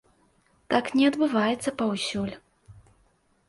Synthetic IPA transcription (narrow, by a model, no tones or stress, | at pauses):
t̪aknʲɛɐd̪bɨvajɛt̪sːɐpawsʲulʲ